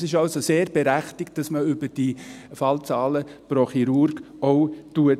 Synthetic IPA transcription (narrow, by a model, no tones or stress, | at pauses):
sɪʃɑlsoseːɾb̥eɾæχtɪkt̚d̥ɑsməʏbəd̥ifɑlt͡sɑːləproχiɾʊɾɡ | oʊtuət